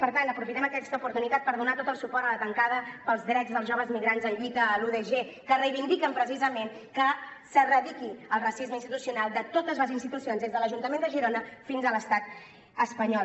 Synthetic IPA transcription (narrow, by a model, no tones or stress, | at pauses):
pəɾt̪ant̪əpɾufit̪ɛməkɛst̪əupuɾt̪unit̪at̪̚pəɾðunat̪ot̪əlˠsupɔɾt̪ələt̪əŋkaðəpəlˠzðɾɛd͡zðəlˠzʒoβəzmiɣɾanzəʎit̪əːluðeʒe | kərəjβind̪ikəmpɾəs̬izəmenkə | sərəðikiəlˠrəsizməinst̪it̪usiunalˠd̪ət̪ot̪əzləzinst̪it̪usionzðezðələʒunt̪əmend̪əʒiɾonəfinzələst̪at̪ | əspəɲɔ